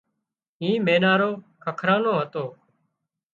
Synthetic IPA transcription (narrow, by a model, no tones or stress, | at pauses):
ĩːmeːnaːɾoː | kʰəkʰɾaːnoːɦət̪oː